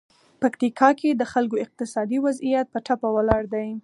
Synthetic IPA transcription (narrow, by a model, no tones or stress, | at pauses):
pakt̪ikʰɑkʰed̪əxalkoɪq̚t̪ɪsɑd̪iwazijat̪̚pəʈapawalɑɽd̪aj